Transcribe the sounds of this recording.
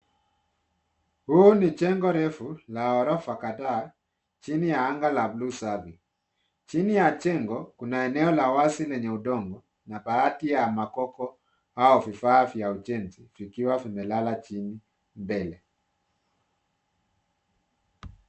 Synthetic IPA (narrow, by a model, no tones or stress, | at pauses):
huːnit͡ʃɛŋɡɔɾɛfulaɔɾɔfakada | t͡ʃinijaaŋɡalablusavi | t͡ʃinijat͡ʃɛŋɡɔkunaɛnɛɔlawasilɛɲɛudɔŋɡɔ | napaatijamakɔkɔ | aɔvifaːvjaud͡ʒɛnziv̥ikiwavimɛlalat͡ʃini | mbɛlɛ